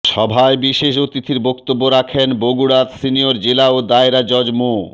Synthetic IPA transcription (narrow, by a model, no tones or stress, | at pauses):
ʃɔbʱaebiʃeʃ̬ot̪it̪ʰiɾbokt̪obːoɾakʰenboɡuɽat̪sinijoɾd͡ʑelaod̪aeɾad͡ʑɔd͡ʑmu